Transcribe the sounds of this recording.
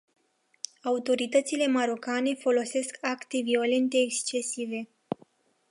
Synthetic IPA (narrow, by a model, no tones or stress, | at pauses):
aut̪o̞ɾit̪ət̪sile̞maɾo̞kane̞fo̞lo̞se̞skakt̪e̞vio̞le̞nt̪e̞ːkst͡ʃe̞sive̞